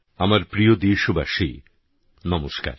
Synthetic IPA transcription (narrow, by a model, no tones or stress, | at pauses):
amaɾpɾijod̪iʃoba̰ʃḭ | nɔmoʃka̰ɾ